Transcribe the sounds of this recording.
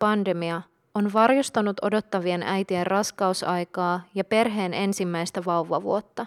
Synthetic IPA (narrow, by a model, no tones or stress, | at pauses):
pɑnde̞miɑ | onʋɑrjost̪ɑnut̪o̞do̞t̪ːɑʋienæjt̪ierrɑskɑusɑjkɑːjɑpe̞rɦe̞ːne̞nsimːæjst̪æʋɑwʋɑʋṵot̪ːɑ